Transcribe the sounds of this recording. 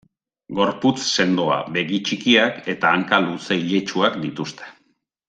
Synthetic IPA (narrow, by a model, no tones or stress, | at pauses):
ɡo̞ɾput͡sse̞nd̪oa̰βe̞ɣit͡ʃikiake̞t̪aːŋkaluseiʎe̞t͡ʃuakd̪it̪ust̪e̥